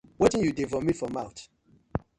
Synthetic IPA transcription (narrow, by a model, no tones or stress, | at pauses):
wɔtĩnjudevɔmifɔmaʊt